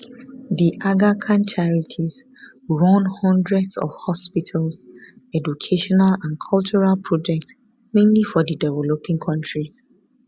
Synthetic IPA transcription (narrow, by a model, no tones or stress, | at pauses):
diʔaɡakʰãnt͡ʃʰaɹitʰiz | ɹɔ̃nhɔ̃ndɹɛdsɔ̰v̥hɔspitʰalsɛd͡ʒukʰeʃɔnalãnkʰɔlt͡ʃuɹalpʰɹɔd͡ʒɛk̚ts | mẽmlifɔdidɛvɛlopʰĩŋkʰɔ̃ntɹis